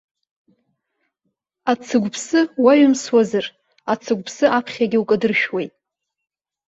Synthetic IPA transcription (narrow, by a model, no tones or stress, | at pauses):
at͡sʰɨɡʷpʰsɨwaɥʏmswazɨr | at͡sʰɨɡʷpʰsɨʔapʰχʲaɡʲɪwkʼadɨrʃᶣwejtʼ